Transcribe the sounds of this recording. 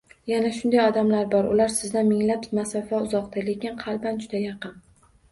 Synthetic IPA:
janaʃʊnd̪ajɒd̪amlaɾbɒɾʊ̰laɾsɪzd̪anmɪŋlapmasɒfaʊzɒqt̪ʰale̞kʲɪnqʰɑlˠband͡ʒʊd̪ajɑqɨn

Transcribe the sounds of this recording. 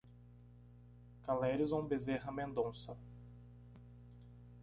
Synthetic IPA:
kalɛɾɪzvɐ̃w̃bezeɦɐmẽnd̪õsɐ

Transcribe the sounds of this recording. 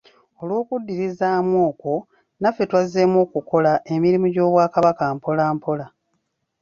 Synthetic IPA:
o̞lwoːkudːiɾizaːmwoːko̞ | nafːe̞twazemwo̞ːkuko̞laʔe̞miɾimuɟo̞ːβwaːkaβakaːmpo̞laːmpo̞la

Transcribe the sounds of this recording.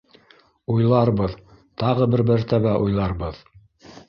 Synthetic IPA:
ujlˠɑɾbɤð | t̪ɑʁɤbɘɾbæɾt̪æβæʔujlˠɑɾbɤð

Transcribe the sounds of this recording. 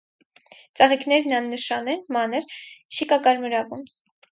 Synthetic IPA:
t͡sɑʁiknɛɾnɑnːəʃɑnɛnmɑnəɾʃikɑkɑɾməɾɑvun

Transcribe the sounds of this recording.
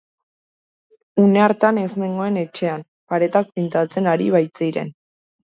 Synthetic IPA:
une̞aɾt̪ane̞zme̞ŋɡo̞e̞ne̞t͡ʃe̞am | paɾe̞t̪ak̚pint̪at͡se̞naɾiβajt͡siɾe̞̰n

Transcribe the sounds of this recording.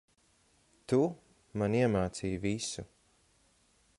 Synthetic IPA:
t̪u | maniɛmaːt̪siːjvisu

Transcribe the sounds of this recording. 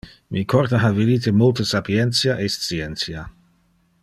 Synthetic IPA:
mʔikʰɔɾt̪aɦavid̪it̪emolt̪əsapjɛnt̪sjaʔest̪siɛnt̪sja

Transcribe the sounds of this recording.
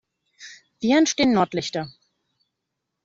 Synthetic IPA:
v̥iːɛntʃteːənnɔɐtlɪçtɐ

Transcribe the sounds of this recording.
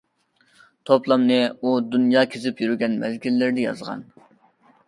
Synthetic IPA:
t̪ʰoplˠɑmnɨud̪unjɑːkʲʰezɪpjyɾyɡʲɛnmɛzɡʲilːɪɾd̪ɪjɑ̰zʁɑ̰n

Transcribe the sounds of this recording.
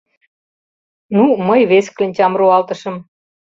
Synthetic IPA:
numəjβesklenʲt͡ɕʲɑmruɑlt̪ə̆ʃə̆m

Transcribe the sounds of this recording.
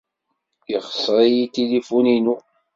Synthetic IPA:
iχə̥sˤɾˤijit̪elifuninu

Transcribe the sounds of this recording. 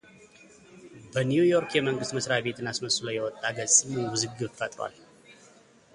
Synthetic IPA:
bənjujo̞ɾkjɛməŋɡɨst̪məsɾabe̞t̪ʰɨnasməsulajːɛwɔt̪ʼːaɡəzʼɨmɛwuzɨɡiot͡ʃfət̪ʼɾwa̰l

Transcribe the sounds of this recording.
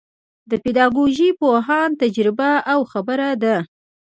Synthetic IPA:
d̪əped̪ɑɡoʒipoɦɑnt̪ad͡ʒɾɪbaʔawxabəɾad̪a

